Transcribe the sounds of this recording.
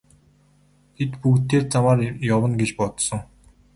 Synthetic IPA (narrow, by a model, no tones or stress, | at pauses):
t̪ʰet̪pukt̪eːrt͡samaːrjɔwə̆nɡet͡ɕpɔt̪sə̆ŋ